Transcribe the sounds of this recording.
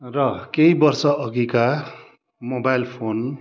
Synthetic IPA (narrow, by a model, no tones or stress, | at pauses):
rʌkejbʌrsʌʔʌɡika | mobajlpʰon